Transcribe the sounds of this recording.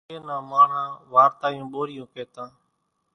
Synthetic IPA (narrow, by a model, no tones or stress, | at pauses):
eːnãːmãːɳãːʋaːɾt̪aːjũːɓoːɾɪjũːpeːt̪ãː